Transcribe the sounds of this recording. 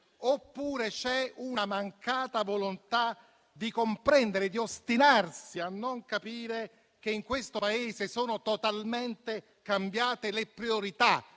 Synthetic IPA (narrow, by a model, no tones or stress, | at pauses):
opːuːɾet͡ʃɛunamaŋkaːt̪avolont̪a | d̪ikompɾɛnd̪eɾed̪iost̪inarsianːoŋkapiːɾe | k̟eiŋkwest̪opaeːzesoːnot̪ot̪alment̪e | kambjaːt̪elepɾioɾit̪a